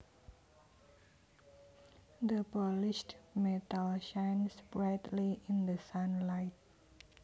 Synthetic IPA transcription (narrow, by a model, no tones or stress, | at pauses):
d̪əpɔlɪʃtmet̪alʃajnspɹajt̪liʔɪ̃nd̪əsanlajt̪̚